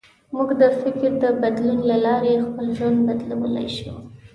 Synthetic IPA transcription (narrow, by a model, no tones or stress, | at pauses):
muɡd̪əfɪkɾd̪əbad̪lunlalɑɾexpəlʒwand̪bad̪lawəla̰jʃu